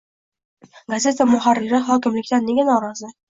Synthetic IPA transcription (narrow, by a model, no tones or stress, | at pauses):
ɡazʲe̞t̪ʰamʊɦaɾːɪɾɪχɒkʲɪmlɪkʲt̪anːeɡʲanɒɾɒzɪ